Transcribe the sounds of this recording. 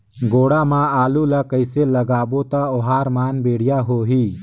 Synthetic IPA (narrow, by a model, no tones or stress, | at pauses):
ɡoːɽamãaːlulakəɪseləɡaːbot̪aoɦaːɾmaːnbeːɽ̤ijaɦoːɦiː